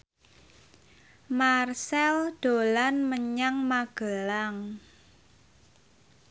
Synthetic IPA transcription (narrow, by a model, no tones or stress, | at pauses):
marsɛld̪̥o̤lanməɲaŋmaɡ̥əlaŋ